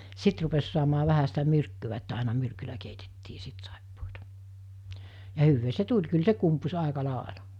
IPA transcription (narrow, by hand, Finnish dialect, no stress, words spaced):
sit rupes suɑmɑː ʋæhæ sitæ myrkːyʋæ etːæ ɑˑinɑ myrkylæ keitetːiː sit sɑˑipːoːtɑ jɑ hyʋːeː se tulʲ kyl se kumpus ɑˑekɑ lɑˑelɑ